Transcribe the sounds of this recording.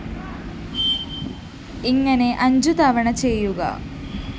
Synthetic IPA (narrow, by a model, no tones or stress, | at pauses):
iŋːɐne̞ʔɐɲd͡ʑud̪aːʋɐɳɐt͡ʃejːuɡɐ̰